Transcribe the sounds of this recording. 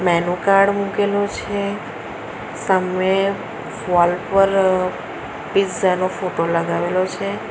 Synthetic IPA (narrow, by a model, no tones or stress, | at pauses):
mɛnukaɾɖmũkelot͡ʃʰe | səme | fɔlpəɾ | pid͡ʒzanofoʈoləɡaʋelot͡ʃʰe